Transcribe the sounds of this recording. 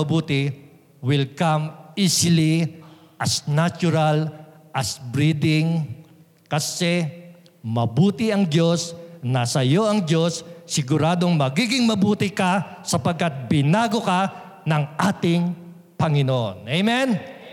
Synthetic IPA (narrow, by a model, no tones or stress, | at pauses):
buːt̪ɪ | wɪlkɐmʔisɪli | ʔɐsnat͡ʃʊɾɐlʔɐsbɾid̪ɪŋ | kɐsɛ | mɐbuːt̪ɪɐŋdo̞snɐsɐjo̞ʔɐŋdo̞sːɪɡʊɾaːd̪o̞ŋmɐɡiɡɪŋmɐbuːt̪ɪkɐsɐpɐɡ̚kːɐt̪̚bɪnaːɡo̞kɐ | nɐŋʔaːt̪ɪŋ | pɐŋɪnoʔo̰nʔejmɛn